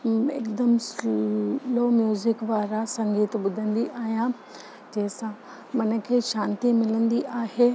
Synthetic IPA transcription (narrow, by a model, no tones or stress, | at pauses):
ɪ̰kd̪əms | loːmjuːzɪkʋaːɾasɐ̃ŋɡiːt̪ɓʊd̪ʱə̃nd̪iʔaːɦijã | d͡ʑɐ̃ɦɪ̃sã | mɐnə̆kʰeːʃãːnt̪imɪlə̃nd̪iʔaːɦeː